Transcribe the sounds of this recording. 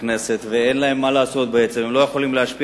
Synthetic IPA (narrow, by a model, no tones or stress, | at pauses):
ne̞se̞t̪ve̞enlae̞mːalaːso̞t̪̚beet͡se̞memlo̞jeχo̞limleɦaʃpi